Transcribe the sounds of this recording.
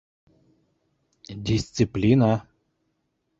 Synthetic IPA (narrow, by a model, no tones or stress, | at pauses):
d̪ʲɪsʲt̪sɨplʲina